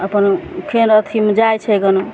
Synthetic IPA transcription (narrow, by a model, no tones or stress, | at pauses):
əpənkʰenət̪ʰimed͡ʒajt͡ʃʰɛjɡənu